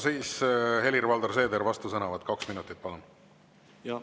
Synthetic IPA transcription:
siːshe̞lʲirvɑld̪orse̞ːd̪eɾvɑst̪usɤnɑvɑd̪̥kɑksminut̪ːˑit̪̚pɑlun

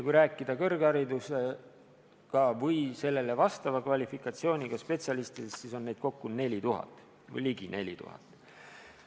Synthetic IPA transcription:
jɑkujɾæːkːˑid̪̥ɑkɤ̞rɡɑɾid̪use̞ | kɑvɤjse̞lːe̞le̞vɑst̪ɑvɑkvɑlʲifikːˑɑt̪sio̞ːnʲiɡ̥ɑspe̞t̪siɑlist̪id̪̥essiso̞nːe̞jd̪̥̚ko̞kːune̞lʲit̪uɦɑ̰t̪ːˑ | vɤ̰jliɡine̞lʲḭt̪ṵhɑ̰t̪ːˑ

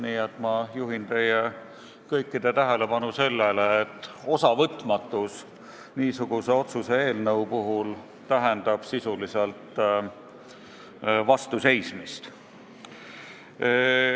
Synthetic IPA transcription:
niːet̪ˑmɑjuɦint̪e̞je | kɤjkːid̪̥e̞t̪æɦele̞pɑnuse̞lːeleːt̪ːˑ | o̞sɑvɤt̪ːˑmɑt̪ːˑus | niːsuɡ̥use̞o̞t̪susee̞ːlnɤwpuɦul | t̪æɦend̪ɑb̥sisuliselt̪ːˑ | vɑst̪use̞jsmist̪

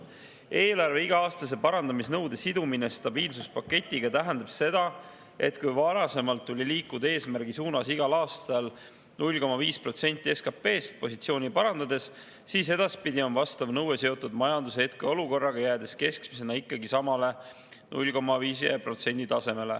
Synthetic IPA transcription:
e̞ːlɑrve̞iɡ̥ɑɑːst̪ɑs̬e̞pɑɾɑnd̪ɑmisnɤwd̪̥e̞sid̪uminest̪ɑbiːlsuspɑkːe̞t̪ʲːˑiɡ̥ɑt̪æɦænd̪ɑb̥se̞d̪̥ɑ | e̞̰t̪kujvɑɾɑse̞mɑlt̪ːulʲiliːkːud̪̥ɑe̞ːsmærɡ̥isuːnɑsiɡ̥ɑlɑːst̪ɑl | nulʲko̞mɑviːspro̞t̪se̞nʲt̪ˑːie̞skɑpːe̞ːst̪̚po̞sit̪sio̞ːnʲipɑɾɑnd̪ɑd̪e̞s | siːse̞d̪̥ɑspid̪ʲio̞nvɑst̪ɑvnɤwese̞o̞t̪ːˑud̪mɑjɑnd̪useet̪̚keo̞luko̞rːɑɡ̥ɑjæːd̪̥e̞ske̞skmise̞nɑikːˑɑɡisɑmɑle̞ | nʔṵlʲko̞mɑviːs̬iepro̞t̪se̞nʲd̪it̪ɑse̞me̞le̞̰

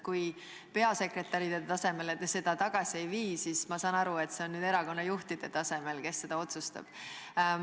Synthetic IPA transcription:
kuj | pe̞ɑse̞kre̞t̪ːˑɑɾid̪et̪ɑse̞me̞let̪ːse̞d̪̥ɑt̪ɑɡ̥ɑsʲie̞jviːsismɑsɑːnɑɾue̞t̪ːˑse̞onːyːd̪e̞ɾɑko̞nːɑjuht̪id̪̥e̞t̪ɑse̞me̞lke̞sːe̞d̪ɑo̞t̪sust̪ɑ̰b̥

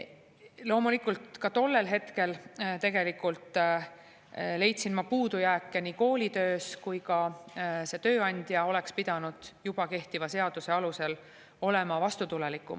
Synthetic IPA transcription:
lo̞ːmulikːˑult̪kɑt̪o̞lːe̞lɦe̞t̪ke̞lt̪e̞ɡ̥e̞likˑult̪ˑ | le̞jt̪sinmɑpuːd̪ujæːkːeniːko̞ːlit̪ø̞ːskujkɑse̞t̪ø̞ːɑnʲd̪̥jɑo̞le̞kspid̪̥ɑnud̪̥jub̥ɑke̞ht̪ivɑse̞ɑd̪̥use̞ɑluse̞l | o̞lemɑvɑst̪ut̪ulelikːˑṵm

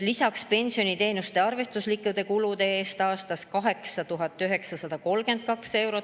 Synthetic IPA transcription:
lisɑkspe̞nʲsio̞nit̪e̞ːnust̪e̞ɑrve̞st̪uslikːˑud̪̥e̞kulud̪eeːst̪ɑːst̪ɑskɑɦe̞ksɑt̪uɦɑt̪ːˑyɦe̞ksɑsɑd̪̥ɑko̞lɡe̞nt̪̚kɑkse̞wɾo̞

